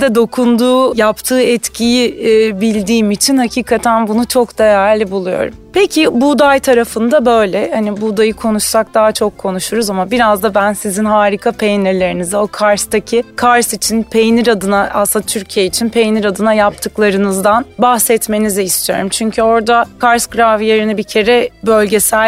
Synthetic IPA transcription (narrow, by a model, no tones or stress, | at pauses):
d̪ɛd̪o̞kʰund̪uːjapt̪ʰɯːɛt̪cʰijibilʲd̪iːmit͡ʃʰinhacʰiːkʰat̪ʰænbunut͡ʃʰo̞kd̪̥ajæɾlʲibulˠujo̞̰ɾṵmpʰecʰibud̪ajt̪ʰaɾafɯnd̪abø̞jlʲɛhanibud̪ajɯkʰo̞nuʃsak̚d̪aɦat͡ʃʰo̞kʰːo̞nuʃuɾuzamabiɾazd̪abænsizinɦaːɾikʰapʰejnʲiɾlʲe̞ɾinizio̞kʰaɾst̪acʰɪkʰaɾsit͡ʃʰinpʰe̞jniɾad̪ɯnaʔasɯnd̪at̪ʰyɾcʰijeit͡ʃʰinpʰe̞jniɾad̪ɯnajap̚t̪ʰɯklˠaɾɯnɯzd̪anbahsɛt̪me̞niziist̪ʰyjo̞̰ɾumt͡ʃʰyɲcʰyo̞ɾd̪akʰaɾsɡɾavijeɾinibicʰe̞ɾɛbø̞lʲɟe̞sælʲ